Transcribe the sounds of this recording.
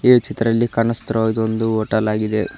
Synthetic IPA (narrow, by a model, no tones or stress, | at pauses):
et͡ʃit̪ɾɐlːikɐnɐst̪ɐɾɐaːɡid̪ond̪uoːʈɐlaːɡid̪e